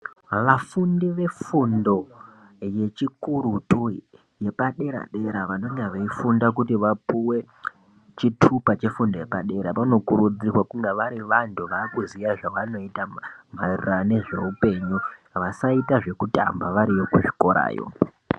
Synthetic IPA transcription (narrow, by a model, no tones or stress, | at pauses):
ʋafundiʋe̞fundo̞ | je̞t͡ʃikuɾutu | je̞paɗe̞ɾa̰ɗe̞ɾaʋano̞ɲaʋeifundak̬utiʋapuwe̞ | t͡ʃitʰupat͡ʃe̞fundo̞je̞paɗe̞ɾapano̞kuɾud͡zirwakuŋɡaʋaɾiʋantʰuʋaːkuzijaʐawano̞itam̤arirane̞ʐe̞̰upe̞ɲuʋasaitaʐe̞kuta̰mbaʋaɾiʋokuʐiko̞ɾa̰ːjo̰